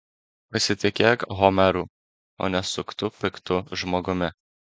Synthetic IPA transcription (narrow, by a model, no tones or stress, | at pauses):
pɐsʲɪt̪ʲɪkʲeːkɦɔmʲɛɾuː | o̰ːnʲɛsʊkt̪ʊpʲɪkt̪ʊʒmoːɡʊmʲɪ